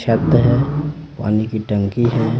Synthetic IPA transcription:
ʃət̪ːɦɛpa̰ːnikiʈə̃ŋkiɦɛ

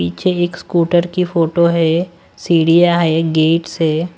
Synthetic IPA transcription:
iːt͡ʃʰeeːkskuːʈəɾkifʰoːʈoɦɛ | siːɽijaɦɛɡeːʈsɛː

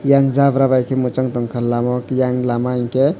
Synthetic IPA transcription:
jaŋd͡ʒabɾabajkʰemut͡ʃaŋt̪ɔŋkʰalamɔkjaŋlamaĩke

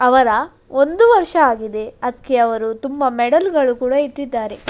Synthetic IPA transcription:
ɐʋɐɾɐ | o̞nd̪uʋɐɾʂɐaːɡid̪e̞ɐd̪keɐʋɐɾut̪umbɐmɛɽɐlɡɐɭukuːɽɐit̪ːid̪ːaːɾe̞

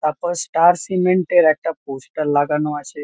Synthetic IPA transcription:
t̪apəsʈaɾsimeɳʈeɾɛk̚ʈ̪aposʈəɾlaɡanoaɕe

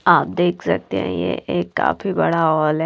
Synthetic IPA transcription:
aːp̚d̪eːkʰsɐ̰k̚t̪eɦɛ̰̃jḛʔeːkːa̰ːfibɐɽaɔːlɦɛ

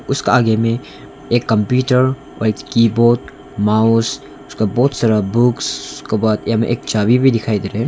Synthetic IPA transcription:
ʊskeaːɡemẽ | eːkːɐmpjuːʈəɾ | ɔ̰ːɾeːkkiːboːt̪ | maːʊs | ʊskabɔːt̪saːɾabʊkskebaːd̪jamẽʔeːkt͡ʃaːbibʱid̪ɪkʰaːid̪eːɾeɦ

